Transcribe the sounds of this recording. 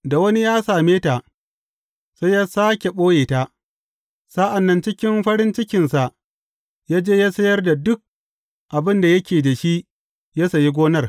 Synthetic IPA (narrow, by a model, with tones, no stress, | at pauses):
da˨wɐ˦ni˦jaː˦saː˨meː˦taː˨ | sa˦jːaː˦saː˦kʲe˨ɓoː˦jeː˨taː˦ | sa˦ʔa˨nːɐ˦nt͡ʃɪ˦kʲɪ˦mɸɐ˦ɽɪ˦nt͡ʃɪ˦kʲɪ˨nsa˨ʔ | jaː˦d͡ʒeː˦jaː˦sɐ˦jɐ˦rda˨dʊ˦k̚ | ʔa˨bɪ˦nda˨jɐ˦kʲeː˨da˨ʃi˦ʔ | ja˦sa˨ji˦ɡʷoː˦nɐ˦r